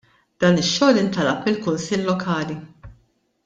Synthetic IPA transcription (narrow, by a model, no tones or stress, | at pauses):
d̪̥ɐːnɪʃːɔːlɪnt̪ɐlɐpmɪlkʊnsɪlːɔkʰɐːli